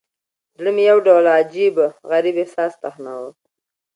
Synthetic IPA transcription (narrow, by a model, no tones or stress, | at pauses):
d̪ɽəmijawɖawlad͡ʒibəɣaɾibehsɑːst̪axnawə